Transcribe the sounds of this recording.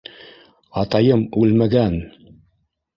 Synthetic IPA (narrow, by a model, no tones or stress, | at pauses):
ɑt̪ɑjɤmʉlmæɡæn